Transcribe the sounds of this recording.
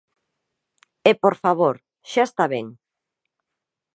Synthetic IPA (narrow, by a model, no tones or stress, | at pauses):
epoɾfaβoɾ | ʃaest̪aβeŋ